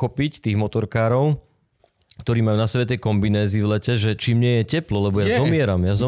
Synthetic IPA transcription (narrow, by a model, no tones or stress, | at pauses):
ɔpict̪iːɣmɔt̪ɔɾkaːɾɔʊ | kt̪ɔɾiːmajuːnasɛbɛt̪ɛjkɔmbinɛːziːvlɛcɛʒɛt͡ʃiːmɲɪɛjɛcɛplɔlɛbɔjazɔmɪɛɾamjazɔ